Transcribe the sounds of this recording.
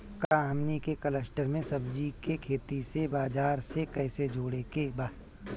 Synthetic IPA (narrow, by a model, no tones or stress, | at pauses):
kaːɦəmnikekələsʈəɾmẽsəbd͡ʒikekʰeːt̪isebaːd͡ʒaːɾsekɛɪsed͡ʒʱoːɽekebaː